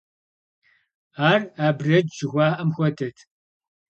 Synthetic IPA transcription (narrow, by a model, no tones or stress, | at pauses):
aːraːbrɐd͡ʒd͡ʒɪɣʷaːʔɐmxʷɔdʰɐtʰ